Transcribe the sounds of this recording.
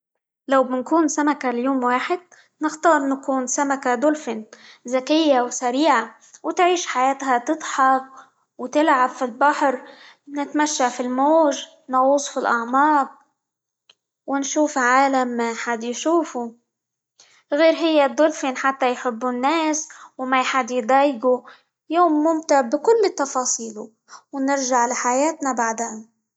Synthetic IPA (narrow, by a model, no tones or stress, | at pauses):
lawbɪnkuːnsamakaljoːmwaːħɪd̪̚ | nɪxt̪ɑːɾˤnakuːnsamakad̪ʊlfɪnzakɪjːawsaɾiːʕa | wɪt̪ʕiːʃħajaːt̪ɦat̪ɨd̪ˤħɑb̚ | wt̪ɪlʕabfilbɑħɾ | nɪt̪maʃːafilmoːʒ | nɑɣuːsˤfilʔɑʕmɑːq̚ | wɪnʃuːfʕaːlamːajħad̪jʃuːfu | ɣeːɾɦɪjːad̪ˤːʊlfinħat̪ːajħɪbːunːeːswmajħad̪jd̪ˤɑːjɡu | joːmːʊmt̪aʕbɪkʊlːɪt̪ːɑfɑːsˤiːlu | wnɪɾʒaʕlaħajaːt̪nabaʕd̪eːna